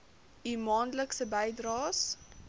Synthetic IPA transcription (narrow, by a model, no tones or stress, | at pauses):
imɑːndləksəbɛjdrɑːs